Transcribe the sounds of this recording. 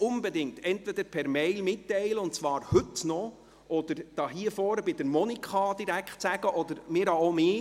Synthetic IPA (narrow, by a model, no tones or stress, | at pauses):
ʊnbedɪŋt̪ʰɛntvɛd̪əɾpʰɛɾmɛɪlmɪtːɛɪləʊntt͡svɑːɾhɵtnɔ | ʔɔd̪əɾd̥ɑɦiəfɔːɾəbɪd̥əɾmɔnikχɑd̪iɾækχtt͡sæɡ̥əʔɔd̪əɾmɪːɾhɑomeː